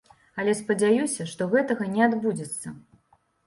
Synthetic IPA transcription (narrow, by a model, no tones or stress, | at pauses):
ɐlʲɛspɐd͡zʲajusʲɐʂt̪ɔɣɛt̪ɐɣɐnʲɛad̪bud͡zʲɛt̪sːɐ̰